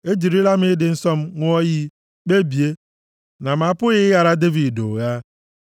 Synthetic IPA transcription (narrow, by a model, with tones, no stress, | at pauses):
e˦d͡ʒi˨ɾi˦la˦m̩˦ɪ˦dɪ˨n̩˦sɔ˦m̩˦ŋʷʊ˦ɔ˦ji˦ | k͡pe˦bi˨e˦ | na˨ma˨˦pʊ˦ɣɪ˦ja˨ɾa˦de˦vi˨do̰˨ɣa˦